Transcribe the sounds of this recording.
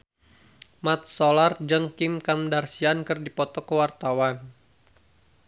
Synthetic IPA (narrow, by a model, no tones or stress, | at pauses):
mat̪̚solard͡ʒəŋkɪmkamdarsiankɨrdipɔt̪ɔkəwart̪awan